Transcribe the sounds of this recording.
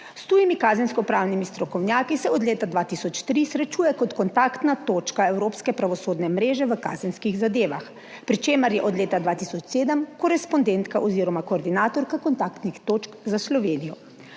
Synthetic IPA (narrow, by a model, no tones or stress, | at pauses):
st̪uːjimikaːzɛnskɔpɾaːwnimist̪ɾɔkɔwnʲjaːkisɛɔd̪leːt̪ad̪ʋaːt̪isɔt͡ʃt̪ɾisɾɛt͡ʃuːjɛkɔt̪kɔnt̪aːkt̪nat̪oːt͡ʃkaɛwɾoːpskɛpɾaʋɔsoːd̪nɛmɾeːʒɛʋəka̰ːzɛnskiɣzad̪eːʋa̰x | pɾit͡ʃeːməɾjɛʔɔd̪leːt̪ad̪ʋaːt̪isɔt͡ʃseːd̪əmkɔɾɛspɔnd̪ɛnt̪kaʔɔziːɾɔmakoːɾd̪inaːt̪ɔɾkakɔnt̪akt̪nixt̪oːt͡ʃkzaslɔʋeːnijɔ